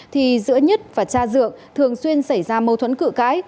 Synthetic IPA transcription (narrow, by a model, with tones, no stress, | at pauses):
t̪ʰi˨˩zɨ̰˧˥əɲə˦˥t̚vaː˨˩t͡ɕaː˧zɨ̰˧˨əŋt̪ʰɨ˨˩əŋswi˧ənsa˧˩jzaː˧mə˧wt̪ʰwə˨˦nkɨ̰˧˨ka̰ː˨˦j